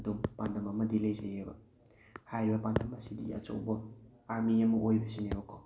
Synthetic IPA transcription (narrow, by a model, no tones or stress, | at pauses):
dumpandɐmɐmɐdilejzejebɐ̰ | hajɾibɐbandɐmɐsidḭɐ̰t͡ʃo̰wbɐaɾmiɐmɐʔojbɐsineɾokʰːow